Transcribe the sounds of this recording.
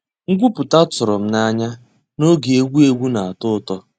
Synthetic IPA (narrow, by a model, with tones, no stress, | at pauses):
ŋ̩˦ɡʷu˦pʊ˨ta˦tʊ˨ɾɔ˨m̩˦na˦ɲa˦ | no˦ɡi˨e˦ɡʷu˦e˦ɡʷu˦na˨a˨tʊ˦tɔ˦